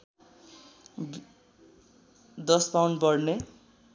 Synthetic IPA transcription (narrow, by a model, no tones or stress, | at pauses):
d̪ʌspawnbʌrne